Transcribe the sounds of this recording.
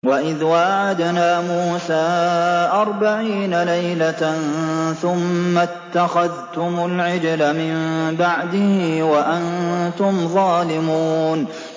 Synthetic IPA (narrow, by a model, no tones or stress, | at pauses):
waʔɪðwaːʕad̪naːmuːsaːʔɑɾˤbaʕiːnalajlanθʊmːat̪ːaxaðt̪ʊmʊlʕɪd͡ʒlamɪmbaʕd̪ɪhɪwaʔant̪ʊmðˤɑːlɪmuːuːn